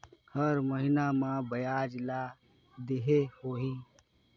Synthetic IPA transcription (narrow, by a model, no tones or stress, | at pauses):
həɾməɦinamãbəjad͡ʒla | d̪eɦehoɦi